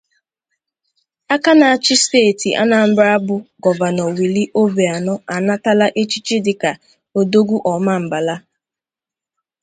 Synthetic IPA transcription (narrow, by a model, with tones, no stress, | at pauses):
a˦ka˦na˨a˨t͡ʃɪ˦steː˦˨ti˨ʔa̰˦na˨m̩˦bɾa˦a˦bʊ˨ɡɔ˨va˨nɔ˨wi˨li˦ʔo˦be˨a˨nɔ˦a˨na˦ta˦la˦ʔe˦t͡ʃi˦t͡ʃi˦dɪ˨ka˨ | o˨do˦ɡʷu˦ʔɔ˨ma˦m̩˨ba˨la˦